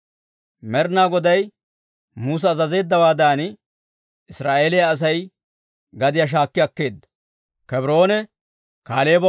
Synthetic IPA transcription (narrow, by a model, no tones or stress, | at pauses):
mɛɾnaːɡɔd̪ɐj | muːs̬ɐːzɐze̞ːd̪ːɐwaːd̪aːn | ɪsɾaːʔe̞ːlɪjɐːs̬ɐj | ɡɐd̪ɪjɐʃ̬aːkːɪjɐkːe̞ːd̪ːɐ̥ | kɛbɪɾo̞ːnɛ | kaːle̞ːbɐ